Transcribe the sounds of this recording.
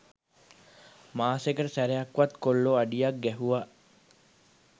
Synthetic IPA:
maːsekəʈəsæɾeakʋat̪kolːoaɖijak̚ɡæɦuʋaʔ

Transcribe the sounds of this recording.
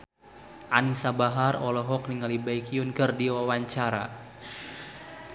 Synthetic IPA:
ʔanisabaɦarɔlɔɦɔk̚niŋalibajkiʊnkərdiwawaɲt͡ʃaɾa̰

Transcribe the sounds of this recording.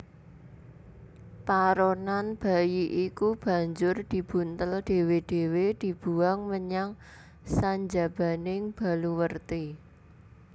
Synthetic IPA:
paɾonanb̥a̤jiʔikub̥ä̤ɲd͡ʒʊrd̪̥i̤b̥ṳnt̪əlɖ̪̥e̤wed̪̥e̤wed̪̥i̤b̥uaŋməɲaŋ | saɲd͡ʒa̤b̥a̤nɪŋb̥a̤luwərt̪i

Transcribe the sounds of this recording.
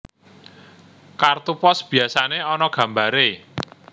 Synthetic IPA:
kart̪upɔsb̥i̤asaneɔnɔɡ̥ä̤mbaɾe

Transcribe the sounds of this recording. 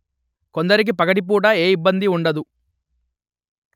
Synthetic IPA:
ko̞nd̪ɐɾik̬ipɐɡɐʈip̬uːɽɐeːibːɐnd̪iuɳɖɐd̪u

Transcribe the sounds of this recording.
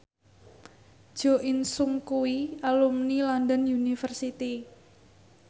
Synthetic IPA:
d̥ʒ̥ɔʔɪnsʊŋkuwialumnilɔnd̪ənjunifərsit̪i

